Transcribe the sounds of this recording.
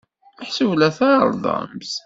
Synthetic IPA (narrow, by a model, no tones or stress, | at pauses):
əħsəwlæθɑɾˤðˤɑ̰ms